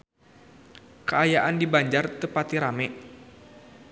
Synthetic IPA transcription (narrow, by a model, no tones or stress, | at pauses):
kəajaʔandibaɲd͡ʒart̪əpat̪iɾamɛʔ